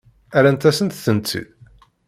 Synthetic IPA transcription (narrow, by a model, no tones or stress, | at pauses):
æɾænt̪æsənt̪θənt͡sːḭð